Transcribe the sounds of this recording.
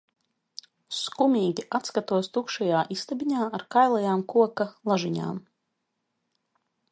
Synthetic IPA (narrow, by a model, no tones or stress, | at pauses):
skumʲiːɡʲiʔat̪skat̪uɔst̪ukʃajaːʔist̪abʲiɲaːaɾkajlˠajaːmkuɔkalˠaʒiɲa̰ːm